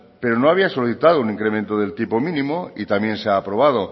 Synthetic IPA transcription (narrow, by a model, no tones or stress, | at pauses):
pe̞ɾonoaβ̞iaso̞liθit̪að̞ounĩŋkɾe̞mẽnt̪oðe̞lt̪ipo̞mĩnĩmoit̪amjẽ̞nseaːpɾo̞β̞að̞o̞